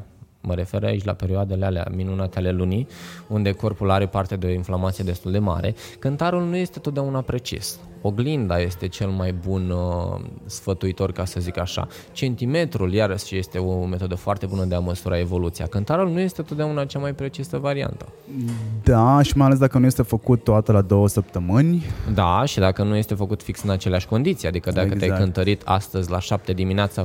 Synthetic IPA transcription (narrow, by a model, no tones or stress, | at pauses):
məɾe̞fe̞ɾa̰it͡ʃʲla̰pe̞ɾioad̪elealea̰minunat̪eale̞luniund̪e̞ko̞rpulaɾe̞part̪eed̪eo̞inflamat̪sijed̪e̞st̪uld̪e̞ma̰ɾe̞̰kɨnt̪aɾulnuje̞st̪e̞t̪ot̪̚d̪eaunapɾe̞t͡ʃḭs | o̞ɡlind̪aje̞st̪e̞t͡ʃe̞lmajbun | sfət̪uit̪o̞rkasəzikaʃa̰ | t͡ʃe̞nt̪ime̞t̪ɾuljaɾəsʃje̞st̪e̞o̞me̞t̪o̞d̪əfoart̪e̞bunəd̪eaməsuɾʔae̞vo̞lut̪sija̰kɨnt̪aɾulnuje̞st̪e̞t̪ot̪d̪ʲeaunat͡ʃamajpɾe̞t͡ʃisəvaɾia̰nt̪ə̥ | d̪aʃimajalesd̪akənuje̞st̪e̞fəkut̪ːoat̪əlad̪o̞wəsəp̚t̪əmɨnʲd̪aʃid̪akənujest̪e̞fəkut̪fiksɨnat͡ʃeleaʃʲko̞nd̪it̪sijad̪ikəd̪akkət̪eajkɨnt̪əɾit̪ʰa̰st̪əzʲlaʃap̚t̪e̞d̪imineat̪sa